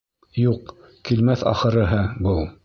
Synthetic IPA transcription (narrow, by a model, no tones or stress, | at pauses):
juq | kilmæθɑ̰χɤ̆ɾɤ̆ɦɤbɤlˠ